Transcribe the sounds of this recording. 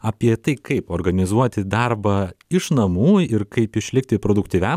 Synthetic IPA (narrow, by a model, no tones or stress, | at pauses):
ɐpʲiɛt̪ɐɪkɐɪpoːɾɡɐnʲɪzuɔt̪ʲɪd̪ɑɾbɐɪʃnɐmuːɪɾkɐɪpɪʃʲlʲɪk̚t̪ʲɪpɾoːd̪ʊkt̪ʲiːʋʲæm